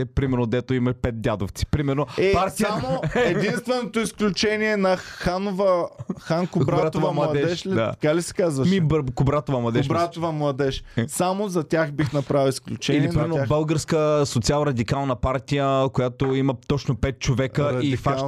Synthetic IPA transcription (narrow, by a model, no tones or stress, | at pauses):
ɛpɾimɛɾnod̪ɛt̪oimɐʃpɛt̪̚d̪ʲjad̪oft̪si̥pɾimɛɾnoɛpaɾt̪iamoɛd̪inst̪vɛnot̪oisklʲut͡ʃɛniɛnɐxanovəxankʊbɾaat̪ovɐmlˠɐɐd̪ɛɛʃʃld̪a̰ɐkalisɛ̥kazvɐʃmibɾkʊbɾat̪ovɐmlˠɐd̪ɛʊʃbɾat̪ovɐmlˠɐd̪ɛʃsamozɐt̪ʲaxbixnɐpɾavilˠisklʲut͡ʃɛiliɾiɛɾnbəlˠɡəɾskəsot̪sialˠɾɐd̪ikalˠnɐpaɾt̪ijəkojat̪oimɐt̪ɔt͡ʃnopɛt̪̚t͡ʃovɛkəiifa